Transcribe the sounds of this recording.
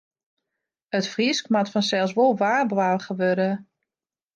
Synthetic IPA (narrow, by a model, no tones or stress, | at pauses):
ətfriskmatfɔnsɛlˠs̬ʋolˠʋaːrblaχəʋøɾə